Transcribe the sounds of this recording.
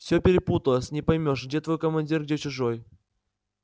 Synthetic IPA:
fsʲɵpʲɪɾʲɪput̪əlˠəsʲnʲɪpɐjmʲo̞ʂɡdʲet̪vo̞jkəmɐnʲdʲirɡdʲet͡ɕʊʐoj

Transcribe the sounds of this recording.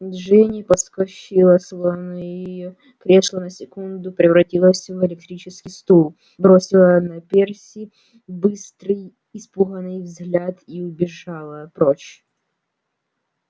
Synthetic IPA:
ʐɛnʲipɐskɐɕilˠəslˠɐnɨjjɪjo | pɾʲeʂlˠənəsʲɪkund̪ʊpɾʲɪvɾɐtʲilˠəsʲvɪlʲɪk̚t̪ɾʲit͡ɕɪskʲɪjst̪ulˠ | bɾosʲɪlˠənɐpʲersʲi | bɨst̪ɾɨj | ispuɣənɨjvzɣlʲat̪iʊbʲɪʐalˠəpɾot͡ɕ

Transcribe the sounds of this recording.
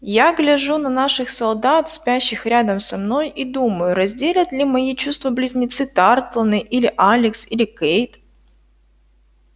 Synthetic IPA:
jaɡlʲɪʐunɐnaʂɨxsɐlˠd̪at̪spʲæɕːɪxɾʲad̪əmsɐmno̞jid̪uməjʊɾɐzʲdʲelʲət̪lʲɪmɐjit͡ɕust̪vəblʲɪzʲnʲɪt̪sɨt̪art̪lˠənɨʔilʲɪʔalʲɪksilʲɪkejt̪

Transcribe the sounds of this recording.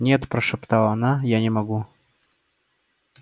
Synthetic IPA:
nʲet̪pɾəʂɨpt̪alˠɐnajanʲɪmɐɡu

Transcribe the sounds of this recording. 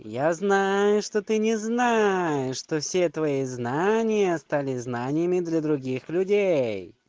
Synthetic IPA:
jaznajʊʂt̪ot̪ɨnʲɪznajɪʂt̪ofsʲet̪vɐiznanʲɪjəst̪alʲɪznanʲɪjəmʲɪd̪lʲɐd̪ɾʊɡʲixlʲʊdʲej

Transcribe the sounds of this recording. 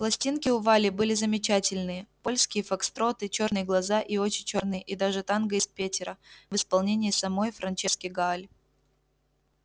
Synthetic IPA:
plˠɐsʲtʲinkʲɪʊvalʲɪbɨlʲɪzəmʲɪt͡ɕætʲɪlʲnɨjəpo̞lʲskʲɪjəfɐkst̪ɾo̞t̪ɨt͡ɕo̞rnɨjəɡlˠɐzaʔio̞t͡ɕɪnʲt͡ɕo̞rnɨjəʔid̪aʐɨt̪anɡəɪspʲetʲɪɾəvɨspɐlˠnʲenʲɪjːsɐmo̞jfɾɐnt͡ʃɛskʲɪjɡaalʲ

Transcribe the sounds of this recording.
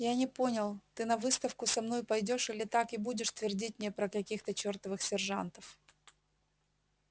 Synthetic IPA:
janʲɪpo̞nʲɪlˠt̪ɨnɐvɨst̪əfkʊsɐmno̞jpɐjdʲo̞ʂilʲɪt̪akɪbudʲɪʂt̪vʲɪrdʲit̚ʲmnʲepɾəkɐkʲixt̪ət͡ɕo̞rt̪əvɨxsʲɪrʐa̰nt̪əf

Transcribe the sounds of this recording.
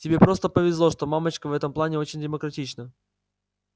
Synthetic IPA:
tʲɪbʲepɾo̞st̪əpəvʲɪzlˠoʂt̪o̞mamət͡ɕkəvɛt̪əmplˠanʲɪo̞t͡ɕɪnʲdʲɪməkɾɐtʲit͡ɕnə

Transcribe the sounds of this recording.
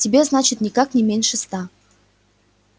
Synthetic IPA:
tʲɪbʲeznat͡ɕɪt̪nʲɪkaknʲɪmʲenʲʂɨst̪a

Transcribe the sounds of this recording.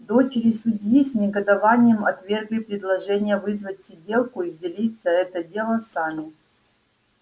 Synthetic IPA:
d̪o̞t͡ɕɪɾʲɪsʊdʲjisʲnʲɪɡəd̪ɐvanʲɪjəmɐt̪vʲe̞rɡlʲɪpɾʲɪd̪lˠɐʐɛnʲɪjəvɨzvətʲsʲɪdʲe̞lˠkʊivdʲɪlʲit̪sːəɛt̪ədʲe̞lˠəsamʲɪ

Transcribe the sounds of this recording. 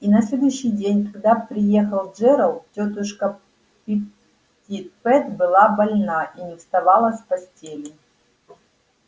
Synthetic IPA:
inɐsʲlʲed̪ʊjɕːɪjdʲenʲkɐɡd̪apɾʲɪjexəlˠʐɛɾəlˠtʲot̪ɨʂkɐ | pʲi | tʲit̪̚pɛt̪bɨlˠabɐlʲnaʔinʲɪfst̪ɐvalˠəsʲpɐsʲtʲelʲɪ

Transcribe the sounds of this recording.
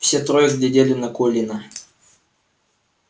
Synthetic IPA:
fsʲet̪ɾojɪzɡlʲɪdʲelʲɪnɐkolʲɪnə

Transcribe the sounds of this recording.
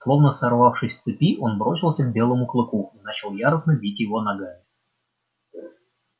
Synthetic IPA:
slˠovnəsɐrvɑfʂɨsʲt̪sɨpʲiʔonbɾo̞sʲɪlˠsʲəɡ̚bʲelˠəmuklˠɨkuinat͡ɕɪlˠjaɾəsnəbʲitʲjɪvonɐɡa

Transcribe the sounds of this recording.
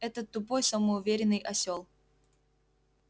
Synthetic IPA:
ɛt̪ət̪ːʊp̬ojsəməʊvʲeɾʲɪnːɨjʔɐsʲolˠ

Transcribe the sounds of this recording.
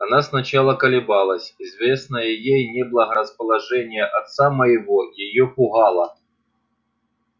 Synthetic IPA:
ɐnasnɐt͡ɕalˠəkəlʲɪbalˠəsʲɪzvʲesnəjɪjejnʲeblˠəɦɐɾəspəlˠɐʐɛnʲɪjəʔɐt̪saməjɪvojɪjopʊɣɑlˠɐ

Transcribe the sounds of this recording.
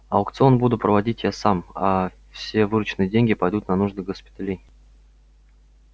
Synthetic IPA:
ɐʊkt̪sɨo̞nbud̪ʊt̪pɾəvɐdʲitʲjasama̰ | fsʲe̞vɨɾʊt͡ɕɪnɨjədʲenʲɡʲɪpɐjd̪ut̪nɐnuʐd̪ɨɡəspʲɪ̥t̪alʲej

